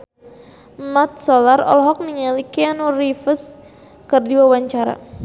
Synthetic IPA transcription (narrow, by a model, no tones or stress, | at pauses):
mat̪̚sɔlarɔ̰lɦɔk̚niŋalikeanurifəs | kərdiwawaɲt͡ʃaɾa̰